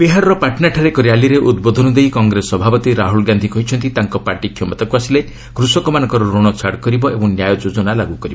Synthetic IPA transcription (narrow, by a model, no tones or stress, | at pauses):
beɦaɾɔɾɔpaʈʰnaʈʰaɾekɔɾjaliɾeʔud̪bod̪ʱɔnɔd̪ejkɔŋɡɾesɔbʱapɔt̪iɾaɦulɡand̪ʱikɔɦit͡ʃʰɔnt̪it̪aŋkɔpaɾʈikʰjɔmɔt̪akuasile | kɾusɔkɔmanɔ̃ŋkɔɾɔɾoɽ̃ɔt͡ʃʰaɽkɔɾibɔʔebɔ̃ŋnjajɔd͡ʒod͡ʒɔnalaɡukɔɾibɔ